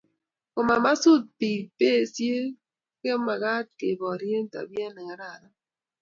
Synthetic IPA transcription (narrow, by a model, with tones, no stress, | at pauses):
ko˨ma˨ma˦su˦˨t̚piː˨pe˦˨sje˦ | ke˦ma˨ɣa˦t̚ke˨bɔ˨ɾje˦n̩˦ta̰˨bja˦nɛ˨ŋa˨ɾa˦˨ɾa˦